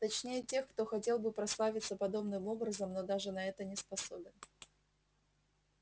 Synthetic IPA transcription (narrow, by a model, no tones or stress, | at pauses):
t̪ɐt͡ɕnʲejətʲe̞xkt̪o̞xɐtʲe̞lˠbɨpɾɐslˠavʲɪt̪səpɐd̪o̞bnɨmo̞bɾəzəmno̞d̪aʐɨnɐɛt̪ənʲɪspɐso̞̰bʲɪn